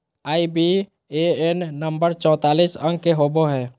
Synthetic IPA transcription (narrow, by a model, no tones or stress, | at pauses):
aːibi | eenːəmbəɾt͡ʃɔ̃ːt̪aːlisə̃ŋɡ̚keɦoboɦɛː